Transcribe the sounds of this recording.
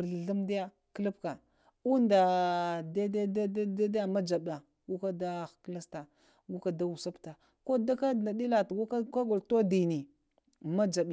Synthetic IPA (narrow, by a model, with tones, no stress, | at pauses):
ɮu˦mdi˦ja˦ | kə˦lə˦pka˨ | u˦nda˨da˦da˦da˦da˦da˦da˦ja˦ma˦d͡ʒa˨ba˨ | ɡu˦ka˦da˦xkla˦sta˨ | ɡu˦ka˦da˦wu˨sa˦pta˨ | ko˦da˦ka˦˨na˨di˦la˨tɡu˦ka˦ka˦ɡo˨lto˦di˨ni˨ | ma˦d͡ʒa˨ɓa˨